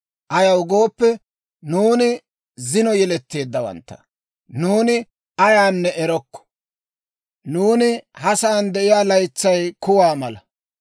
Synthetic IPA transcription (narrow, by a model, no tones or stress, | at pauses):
ʔɐjɐwɡo̞ːpːɛ | nuːnɪ | zɪnɔjɛlɛt̪ːe̞ːd̪ːɐwɐ̰nt̪ːɐ̥̰ | nuːnɪ | ɐjaːnːɛʔɛɾɔkːɔ̥ | nuːnɪhɐsaːnd̪ɛʔɪjaːlɐjt͡sːɐjkʊwaːmɐlɐ